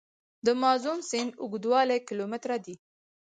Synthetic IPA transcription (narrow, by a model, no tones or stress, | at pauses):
d̪əmɑzunsɪnʊɡd̪wɑlekɪlomɪt̪ɾad̪i